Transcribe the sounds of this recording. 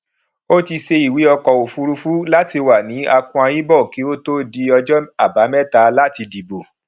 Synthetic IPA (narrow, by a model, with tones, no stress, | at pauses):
o˦ti˧ʃe˧i˨wi˨˦ɔ˧kɔ˨o˨fu˨˧ɾu˧fu˦la˦ti˧wa˨nĩ˨˦a˧kũ˧˦a˧jĩ˦bɔ˦˨ki˨˦o˦to˦di˧ɔ˧d͡ʒɔ˦a˦˨ba˨˦mɛ̃˦ta˧la˦ti˧di˨bo˨